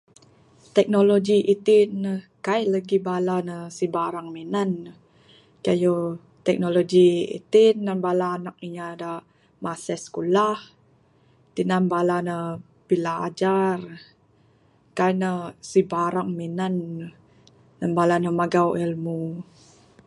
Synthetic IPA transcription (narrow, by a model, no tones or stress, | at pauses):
t̪ɛk̚nolod͡ʒiʔit̪inːəkaiʔləɡibalanəsibaɾaŋminanə | kajo | t̪ɛk̚noloɡiḭt̪inːanbalaːnak̚iɲada | masɛskulah | t̪inanbalanə | b̥ila̰ːd͡ʒar | kainəsibaɾaŋminan | anbalanəmaɡawʔɛlmu